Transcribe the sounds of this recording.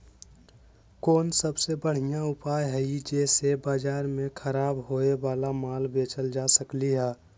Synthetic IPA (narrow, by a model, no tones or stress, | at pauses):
koːnsəbsebəɽ̤ijãʊpaːjɦɛid͡ʒɛːsebaːd͡ʒaːɾmẽkʰəɾaːbɦoebaːlamaːlbeːt͡ʃəld͡ʒaːsəkliɦɛː